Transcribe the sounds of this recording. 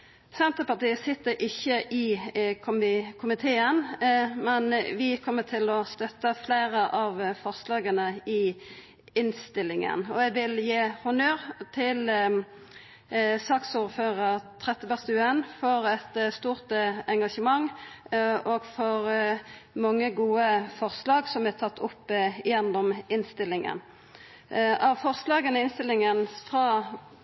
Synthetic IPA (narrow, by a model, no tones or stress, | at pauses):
sɛnt̪əpɑʁt̪iːəsɪt̪ːəɾʔɪçːəʔɪkʰʊmɪkʰʊmɪt̪ʰeːənmɛnʋɪkʰɔmːət̪ʰɪlɔst̪œt̪ːəfleːɾəʔɑʋfɔʁslɑːɡənəɪ | ɪnst̪ɪlːɪŋə̰nɔɛɡʋɪljeːhʊnøːʁt̪ʰɪl | sɑːksuːʁføːʁəʁt̪ʰʁɛt̪ːəbœʁst̪əʉːɛnfɔʁɛt̪st̪uːʁt̪əɛŋɡɑʂəmɑŋ | ɔɡfɔʁ | mɑŋːəɡuːəfɔʁslɑːɡsɔmæt̪ʰɑt̪ːʰʊpːɪjɛnd̪ɔmɪnst̪ɪlːɪŋə̰n | ɑʋfɔʁslɑːɡənəɪɪnst̪ɪlɪŋənfʁɑː